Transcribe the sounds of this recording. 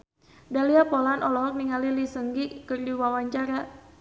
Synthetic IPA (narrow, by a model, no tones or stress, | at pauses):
daliapɔlanɔlɔɦɔk̚niŋalilisəŋɡikərdiwawaɲt͡ʃaɾa